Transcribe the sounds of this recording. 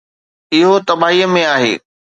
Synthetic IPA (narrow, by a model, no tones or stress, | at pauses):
ɪɦot̪ɐbaːɦiːəmẽaːɦḛː